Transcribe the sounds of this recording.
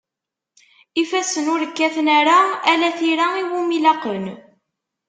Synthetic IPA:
ifæsənʊɾəkːæθnæɾaælæθiɾaiwumilɑqən

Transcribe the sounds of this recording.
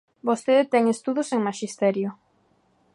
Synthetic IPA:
bost̪eðet̪ɛŋest̪uðoseŋmaʃist̪ɛɾjo

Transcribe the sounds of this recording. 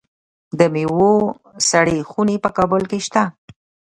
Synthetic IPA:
d̪əmewo | saɽexunepəkɑbʊlkeʃt̪a

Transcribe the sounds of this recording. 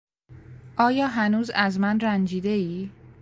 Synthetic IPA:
ʔɒːjɒːɦænuːzæzmænrænd͡ʒiːd̪eiː

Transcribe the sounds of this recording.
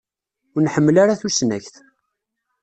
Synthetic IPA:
ʊɾnħəmːlaɾaθusnæçθ

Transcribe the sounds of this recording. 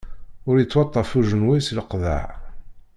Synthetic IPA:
ʊɾjət͡sːwɑt̪ˤːɑfuʒənwisləqða̰ʕ

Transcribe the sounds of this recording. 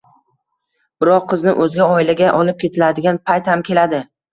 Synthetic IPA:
b̥ɪɾɒqʰːɨznɪʔɵzɡʲaɒɪlaɡʲaʔɒlɪp̚kʲʰe̞t̪ʰɪlad̪ɪɡʲanpʰajt̪hamkʲe̞lad̪ɪ

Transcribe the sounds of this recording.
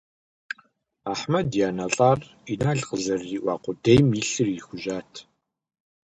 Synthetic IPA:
aːħmɐdjaːnɐɬʼaːr | inaːɮqəzɐrːiːʔʷɑ̰ːqʷʊdejmiɬɨrjixʷʊʒaːtʰ

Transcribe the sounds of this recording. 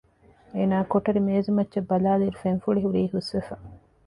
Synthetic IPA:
eːnaːkoʈɐɾimeːzumɐtːʃɐbːɐlaːliɾufenfuɭiɦuɾiːhusʋefɐ

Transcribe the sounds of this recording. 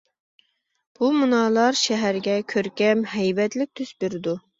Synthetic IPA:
b̥umunɑːlˠɑɾʃɛɦæɾɡʲɛkʲʰøɾkʲɛmɦɛjvɛt̪lɪk̚ʲt̪ʰysbeɾɪd̪u

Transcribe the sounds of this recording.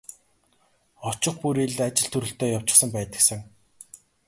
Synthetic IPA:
ɔt͡ɕɪ̆χpuɾiɮat͡ɕɪ̆ɬt̪ʰɵɾɵ̆ɬt̪eːjaw̥t͡ɕɪ̆χsə̆mpæːt̪ə̆ksə̆ŋ

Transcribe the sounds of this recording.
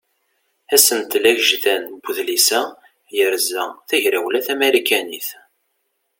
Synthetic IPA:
æsənt̪læʝʒθænbʷʊðlisæ | jəɾzæθæʝɾæwlæθæmeɾikæniθ

